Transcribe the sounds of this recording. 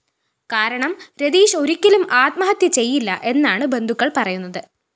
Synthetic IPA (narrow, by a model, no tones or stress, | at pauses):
kaːɾɐɳɐmɾe̞d̪iːʂo̞ɾikʲːilumaːt̪mɐɦɐt̪jɐt͡ɕe̞jːilːɐʔe̞nːaːɳɨbe̞nd̪ʱukːɐɭpɐrɐjunːɐðɨ